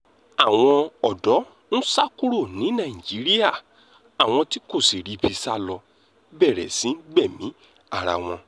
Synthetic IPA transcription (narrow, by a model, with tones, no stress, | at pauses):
a˨w̃ɔ̃˧ɔ˨dɔ˨˦ | n̩˦sa˦ku˦ɾo˦˨nĩ˨˦nã˦˨ĩ˨d͡ʒi˨˦ɾi˦a˦˨ | a˨w̃ɔ̃˧ti˦ko˦˨si˨ɾi˨˧bi˧sa˦lɔ˧ | bɛ˦˨ɾɛ̰˨sĩ˨˦n̩˦ɡ͡bɛ˦˨mĩ˨˦ | a˦˨ɾa̰˧w̃ɔ̃˧